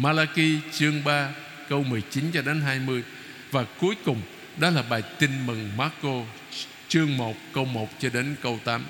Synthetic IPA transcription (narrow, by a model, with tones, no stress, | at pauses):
maː˧laː˧ki˧t͡ɕɨ˧əŋɓaː˧ | kə˧wmɨ˨˩əjt͡ɕi˨˦nt͡ɕɔ˧ɗe˨˦nɦaː˧jmɨ˧əj | vaː˨˩ku˨˦əjkʊ˨˩ŋ͡m | ɗɔ˨˦laː˨˩ɓaː˨˩jt̪ï˧ŋmɨ˨˩ŋmaː˨˦˥kːo˧ | t͡ɕɨ˧əŋmo˨˩t̚kə˧wmo˨˩t̚t͡ɕɔ˧ɗe˨˦nkə˧wt̪aː˨˦m